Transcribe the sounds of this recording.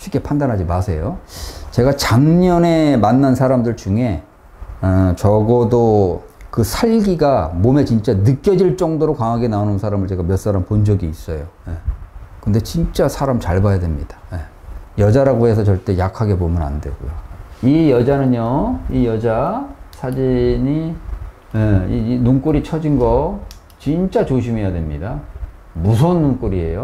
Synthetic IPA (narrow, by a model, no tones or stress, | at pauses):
ɕʰɥik͈ːe̞pʰandanɦad͡ʑimasʰe̞jot͡ɕe̞ɡat͡ɕaŋɲʌne̞manːansʰaɾamdɯɭt͡ɕuŋe̞ | t͡ɕʌɡʌdo | kɯsʰaɭɡiɡamome̞t͡ɕint͡ɕ͈anɯk͈jʌd͡ʑiɭt͡ɕ͈ʌŋdoɾokwaŋɦaɡe̞naonɯnsʰaɾamɯɭt͡ɕe̞ɡamjʌs͈aɾampond͡ʑʌɡiːs͈ʌjojekɯnde̞t͡ɕint͡ɕ͈asʰaɾamt͡ɕaɭbajadwe̞mɲid̥ḁje | jʌd͡ʑaɾaɡoɦe̞s̬ʰʌt͡ɕʌɭt͈e̞jakʰaɡe̞pomɯna̰nde̞̰ɡoṵjoijʌd͡ʑanɯnjʌijʌd͡ʑasʰad͡ʑiɲi | jeinoŋk͈uɾit͡ɕʰʌd͡ʑinɡʌ | t͡ɕint͡ɕ͈at͡ɕoɕ̬ʰimejadwe̞mɲida | musʰʌnːoŋk͈uɾie̞̰jo